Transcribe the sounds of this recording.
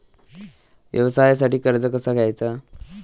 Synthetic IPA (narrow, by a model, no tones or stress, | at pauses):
ʋjʔə̰ʋəsajs̬aʈiːkəɾd͡zəkəsaɡʱajt͡sa